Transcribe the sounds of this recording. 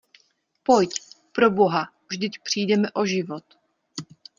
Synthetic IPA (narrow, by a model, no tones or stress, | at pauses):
pojc | pɾoboɦa | vʒd̪ɪcpr̝̥iːdɛmɛʔoʒivot̪